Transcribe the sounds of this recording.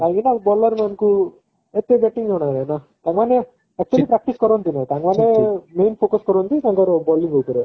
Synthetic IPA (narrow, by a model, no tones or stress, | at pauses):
t̪aɡinabɔːlːɐɾmɐnku | et̪ːebeʈːiŋɡeɳaɾena | t̪aŋɡmaːne | ɛk̚t͡ʃuɐlipɾak̚ʈiskɔɾoːnt̪inat̪aŋɡʋaːnemeːnpʰoːkɐskɔɾont̪it̪aŋɡaɾobɔːlːiŋɡok̪oɾe